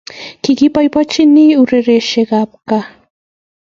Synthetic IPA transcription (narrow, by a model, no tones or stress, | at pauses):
kɪkipajpat͡ʃɪniːʊɾeɾeʃeɢɑp̚ka